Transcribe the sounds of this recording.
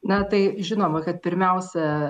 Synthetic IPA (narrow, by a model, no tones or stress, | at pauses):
nɐt̪ɐɪʒʲɪnoːmɐkɐt̪̚pʲɪɾʲmʲɛʊsʲɛ